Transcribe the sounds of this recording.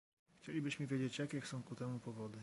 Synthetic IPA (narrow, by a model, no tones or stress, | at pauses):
xt͡ɕelʲibɘɕmɘvʲjed͡ʑet͡ɕjakʲɛxsɔ̃w̃kut̪ɛmupɔvɔd̪ɘ